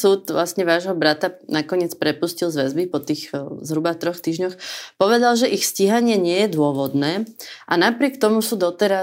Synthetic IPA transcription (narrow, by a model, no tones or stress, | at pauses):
suːt̪ʋlasɲɛʋaːʒɦɔbɾat̪anakɔɲɪɛt͡spɾɛpuscilzʋɛzbipɔt̪iːɣzɦɾubat̪ɾɔxt̪iːʒɲɔxpɔʋɛd̪alʒɛʔixsciɦaɲɪɛɲɪɛjɛd̪ʊɔʋɔd̪nɛːʔanapɾɪɛkt̪ɔmusuːd̪ɔt̪ɛɾa